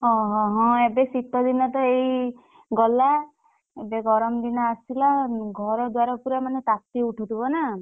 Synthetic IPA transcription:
ɦɔ̃ɦɔ̃ɦɔ̃ebesit̪ɔd̪inɔt̪ɔej | ɡɔla | ebeɡɔɾɔmd̪inɔasilaɡʱɔɾɔd̪waɾapuɾamanet̪at̪iuʈʰut̪ʰibɔna

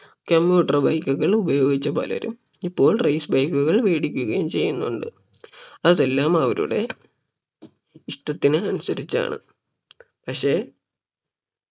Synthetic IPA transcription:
kɐmbjuːʈːɐrbɐjkːuɣɐɭubɐjo̞ːɡit͡ɕːɐpo̰ːlɐʋɐ̰ɾṵm | ipːo̞ːɭrɐjsbɐjkːuɣɐɭʋeːɽikʲːuɣɐjumt͡ɕe̞jːunːuɳɖɨ̰ | ɐðelːaːmɐʋɐɾṵɽe̞ | iʂʈɐt̪ːinɨɐnusɐɾit͡ɕːa̰ːɳɨ̰ | pɐkʂe̞ː

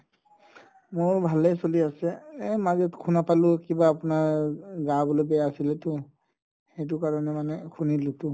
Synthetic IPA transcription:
moɹbʱalɛsoliasɛmazɛtkʰunapalʊkibaːpʊnaɹɡabɔlɔbɛjasilɛtʊ | hɛjt̬ʊkaɹɔnɛmanɛkʰunilɛtʊ

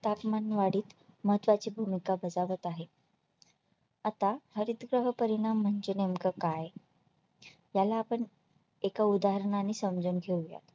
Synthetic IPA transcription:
t̪apmanʋaɽiːt̪ | məɦət̪ʋat͡ɕiːbʱumikabəd͡zaʋət̪aɦe | at̪ahəɾit̪ɡɾəɦəpəɾiɽ̃am̤ːəɳd͡ʑenemkəkaj | jalaːpəɳ | ekaud̪aɦəɾɳaniːsəmd͡zunɡʱeuja̰t̪

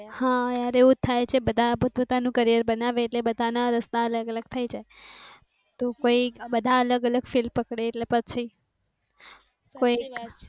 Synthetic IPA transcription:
hãaɾeũt̪ʰajt͡ʃʰebəd̪ʱapot̪̚pot̪anũkəɾijəɾbənaʋeːʈlebəd̪ʱanaɾəst̪aələɡələɡ̚t̪ʰəjd͡ʒae | t̪okoibəd̪ʱaələɡələɡfilpəkɽeːʈlepət͡ʃʰi | koik

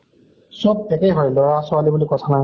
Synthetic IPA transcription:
sɔb̚ɛkɛjɦɔjlɔɹasʊalibulikɔtʰanaj

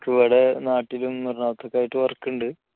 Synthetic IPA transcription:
kːɨʋɐɽenaːʈːilumnirnaːt̪ʰːɐkːaːjiʈːɨʋɐrkːuɳɖɨ

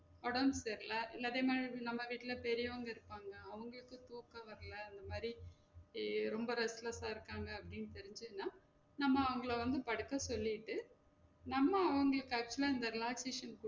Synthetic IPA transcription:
ɔɽɐseɾlɐʔɪlːɐːðeːmaːdɾinɐmːɐʋiːʈːɪlɐpɛɾɪjɐʋɐŋɡɐɪɾɯpːaːŋɡɐːʋɐŋɡɐɭɯkːɯt̪uːkːɐʋɐɾɐlɐɪnd̪ɐmaːd̪ɾi | ɾɔmbɐɾɛslɐsaːɪɾɯkːaːŋɡɐːpːɐɽɪnːt̪ɛɾɪɲd͡ʒɯnːaː | nɐmːɐːʋɐŋɡɐɭɐʋɐnd̪ɯpɐɽɯkːɐsɔlːɪʈːɯ | nɐmːɐɐʋɐŋɡɐɭɯkːɯɐk̚t͡ʃʊlaːɪnd̪ɐɾɪlaːkseːʂɐnkʊ

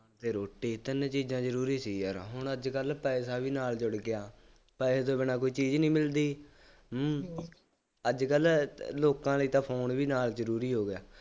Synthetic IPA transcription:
nt̪eːɾoːʈːiːt̪ənẽːt͡ʃiːzãːd͡ʒəɾuːɾiːsiːəɾɦʊɳ̃əd͡ʒkəlpɛːsaːʋiːnaːld͡ʒʊɽɡɪjaː | pɛːst̪oːbɪnaːk̬oːiːt͡ʃiːd͡ʒnĩːmɪld̪iː | əd͡ʒkəlloːkãːləiːt̪ãːpʰoːnʋiːnaːld͡ʒəɾuːɾiːɦoːɡɪjaː

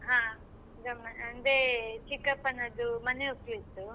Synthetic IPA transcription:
ɦãː | d̪ɐmɐnɐnd̪et͡ʃikːɐpːɐnːɐd̪umɐneuklit̪ːu

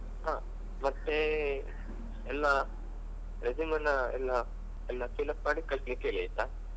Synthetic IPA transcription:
ɦãː | mɐt̪ːe | ɛlːa | ɾed͡ʒimɐnːɐɛ̰lːɐ | ɛlːɐpiːlɐp̚maːɽikɐɭsnikeleːjit̪ːa

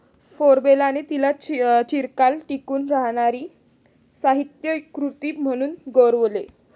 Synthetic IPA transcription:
foɾbelanet̪ilat͡ɕiɾkalʈikuːnɾaɦɽ̃aɾiː | saɦit̪jəkɾut̪iːm̤əɽ̃uːnɡoɾʋle

